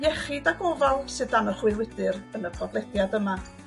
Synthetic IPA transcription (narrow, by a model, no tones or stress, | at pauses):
jɛχɨdaɡɔvalˠsɨðdanəχwɨlwɪdɨrənəpʰɔblˠɛdjadəma